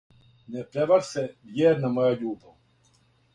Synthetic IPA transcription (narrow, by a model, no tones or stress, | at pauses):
nɛpɾɛʋaɾsɛvjɛːɾnamɔjaʎuːbaw